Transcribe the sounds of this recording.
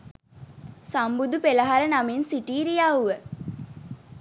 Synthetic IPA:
sambud̪upeləɦaɾənaminsiʈiːɾijauʋə

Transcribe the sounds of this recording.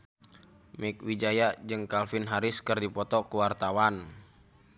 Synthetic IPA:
mɛk̚wid͡ʒajad͡ʒɨŋkalfɪnɦaɾɪskɨrdipɔt̪ɔkuwart̪awan

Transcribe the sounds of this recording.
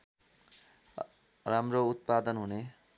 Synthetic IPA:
ramrout̪̚pad̪ʌnɦune

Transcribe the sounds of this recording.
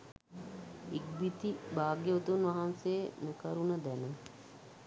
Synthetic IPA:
iɡ̚bit̪ibaːɡjeot̪unʋɐɦanseːnukəɾunəd̪ænə

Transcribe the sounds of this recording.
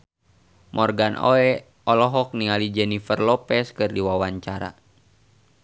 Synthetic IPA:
mʔɔrɡanʔo̰ɛ | ɔlɔɦɔk̚niŋalid͡ʒɛnifərlɔpɛskɨrdiwawaɲt͡ʃaɾa̰

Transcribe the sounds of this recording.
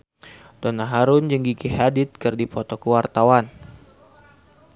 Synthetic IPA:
t̪ɔnaɦaɾʊnd͡ʒəŋɡikihadɪt̪̚kɨrdipɔt̪ɔkəwart̪awan

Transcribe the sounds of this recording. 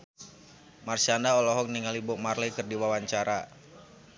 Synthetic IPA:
marsandaɔlɔɦɔk̚niŋalibɔʔmarlɛkɨrdiwawaɲt͡ʃaɾa

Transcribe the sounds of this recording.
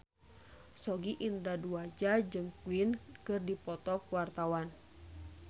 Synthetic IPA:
sɔɡiʔindaduad͡ʒad͡ʒɨŋkuinkɨrdipɔt̪ɔkwart̪awan

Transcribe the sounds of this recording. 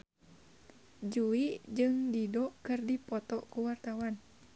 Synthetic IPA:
d͡ʒuid͡ʒɨŋdidɔkɨrdipɔt̪ɔʔkuwart̪awan

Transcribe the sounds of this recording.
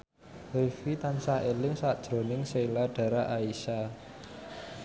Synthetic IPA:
hefit̪ansahelɪŋsaʔd̥ʒ̥ɾo̤nɪŋselaɖ̥a̤ɾaʔaisa

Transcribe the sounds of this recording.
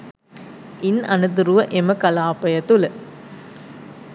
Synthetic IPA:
inɐnut̪uɾuʋəʔeməkɐlaːpɐjət̪ulə

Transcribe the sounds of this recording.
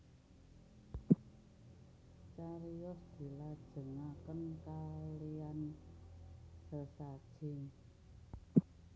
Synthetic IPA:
t͡ʃaɾijɔsd̪̥i̤lad̥ʒ̥ə̤ŋakənkalijan | səsad̥ʒ̥ɪŋ

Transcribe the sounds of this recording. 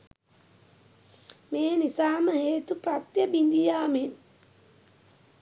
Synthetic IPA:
meːnisaːməheːt̪uprat̪jəbind̪ijaːmen

